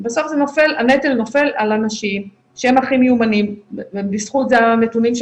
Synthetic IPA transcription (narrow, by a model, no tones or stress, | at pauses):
baso̞fzenofe̞lanetelno̞fe̞lalanaʃim | ʃeemaχimeumanimvebisχutzeanetunimʃ